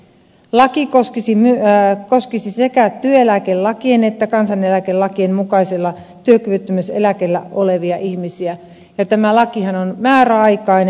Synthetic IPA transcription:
lɑkikoskisimyøkoskisisekæt̪yøelækellɑkienet̪ːækɑnsɑnelækelɑkiemmukɑiselːɑ | t̪yøkyʋyt̪ːymysḛlækelːæ̰ʔoleʋiɑʔihmisiæ | jɑt̪æmælɑkihɑnonmæːɾæɑikɑin

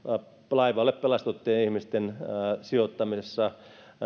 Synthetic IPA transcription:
lɑiʋɑlːeppelɑst̪ut̪ːeːnihmist̪ensiot̪ːɑmisesːɑ

